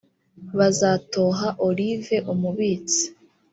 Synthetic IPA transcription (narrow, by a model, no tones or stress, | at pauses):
βazaːto̞ːɦaʔoɾive̞ʔumuβiːt͡si̥